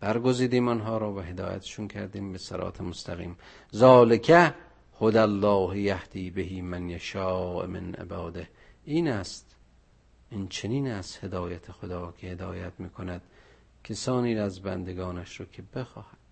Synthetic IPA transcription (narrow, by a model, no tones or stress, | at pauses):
b̥æɾɡoziːd̪iːmɑnɦɒːɾɒːvæɦe̞d̪ɒ̰ːjæ̰t̪ʰe̥ʃuːnkʰæɾd̪iːmbesæɾɒ̰ːt̪ʰemost̪ʰæɣḭːm | zɒːlekʰæ | hod̪ælːɒːhjæhd̪̥iːbeɦiːmænjeʃɑːʔmḛnʔḛbɒːd̪eh | ʔiːnæst̪ | int͡ʃʰeniːnæst̪he̞d̪ɒːjæt̪ʰexod̪ɒːkʰehed̪ɒːjæt̪miːkʰonæd̪̥ | kʰesɒːniːɾæzbæ̰nd̪eɡɒːnæʃɾoːkʲʰebexɒːhæd̪̥